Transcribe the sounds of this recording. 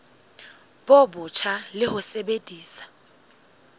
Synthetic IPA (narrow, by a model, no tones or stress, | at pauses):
b̥obʊt͡ʃʰalɪhʊsebedʼʱiːsḁ